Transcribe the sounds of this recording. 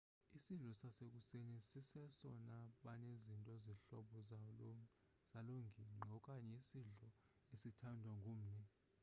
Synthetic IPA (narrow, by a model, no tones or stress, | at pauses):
isiɮɔsasek̬usenisisɛsɔnaɓanezintʼɔziɬɔɓɔ | saloŋɡʱiŋ͡ǃʱɔkʼaɲɛisiɮɔ | esitʰandʱwaŋɡʱoːm̩nɛ